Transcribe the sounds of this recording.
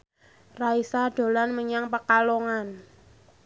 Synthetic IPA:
raisaɖ̥o̤lanməɲaŋpəkaloŋan

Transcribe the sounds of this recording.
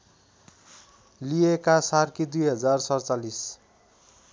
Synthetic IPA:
liekasarkid̪ujɦʌd͡zarsʌrt͡salis

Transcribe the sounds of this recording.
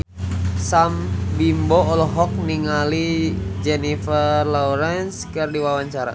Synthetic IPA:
sambimbɔːlɔɦɔk̚niŋalid͡ʒɛnifərlɔɾɛnskɨrdiwawaɲt͡ʃaɾa̰

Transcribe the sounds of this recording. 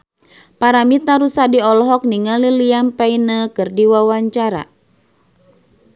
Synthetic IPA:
paɾamit̪aɾusadiɔlɦɔk̚niŋaliliampainəkɨrdiwawaɲt͡ʃaɾa̰

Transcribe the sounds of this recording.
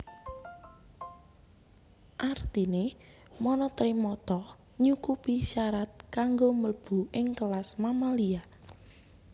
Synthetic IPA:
ʔart̪ine | mɔnɔt̪ɾimɔt̪ɔ | ɲukupiʃaɾat̪̚kaŋɡoməlb̥ṳʔɪŋkəlasmamalia

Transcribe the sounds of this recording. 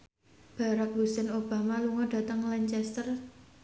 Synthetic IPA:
b̥a̤ɾak̚busɛnob̥a̤maluŋɔɖ̥a̤t̪əŋlaɲt͡ʃɛst̪ər

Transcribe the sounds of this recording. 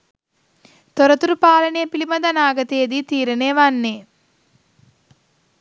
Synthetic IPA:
t̪oɾɐt̪uɾupaːlɐnejːpilimɐd̪ɐnaːɡɐt̪ejd̪iːt̪iːɾɐneːʋanːeː

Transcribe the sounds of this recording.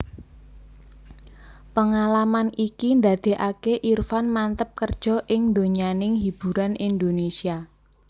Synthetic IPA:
pəŋalamanikind̪a̤d̪̥e̤ʔakeʔirfanmant̪əp̚kərd̥ʒ̥ɔ̤ʔɪŋnd̪oɲanɪŋɦib̥ṳɾanind̪onesia

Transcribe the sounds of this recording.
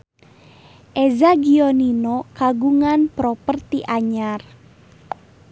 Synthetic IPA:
ʔɛzaɡiɔninɔkaɡuŋanpɾɔpərt̪iʔaɲar

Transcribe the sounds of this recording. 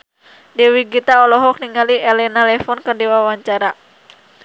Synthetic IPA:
dɛwiɡit̪aɔlɔɦɔk̚niŋaliʔɛlɛnalɛfɔnkərdiwawaɲt͡ʃaɾa

